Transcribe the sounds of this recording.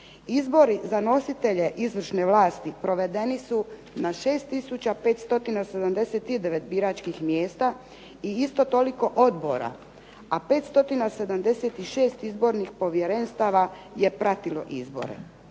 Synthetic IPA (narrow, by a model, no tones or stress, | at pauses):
izbo̞ɾizano̞sit̪e̞ʎe̞ʔizʋr̩ʃne̞ʋlaːst̪ipɾo̞ʋe̞d̪e̞nisu | naʃe̞ːst̪ːisut͡ɕapet̪st̪o̞t̪inased̪amd̪e̞set̪id̪eʋet̪biɾat͡ʃkixmjeːst̪a | iist̪o̞t̪o̞liko̞ʔo̞d̪bo̞̰ɾa̰ | ape̞t̪st̪o̞t̪inase̞d̪amd̪e̞set̪iʃe̞ːst̪izbo̞ɾnixpo̞ʋjeɾenst̪aʋaje̞pɾat̪ilo̞̰ʔḭzbo̞̰ɾḛ